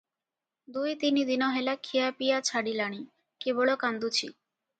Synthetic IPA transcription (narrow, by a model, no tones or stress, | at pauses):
d̪ujt̪inid̪inɔɦelakʰijapijat͡ɕʰaɽilaɽ̃i | keboɭokand̪ut͡ɕʰḭ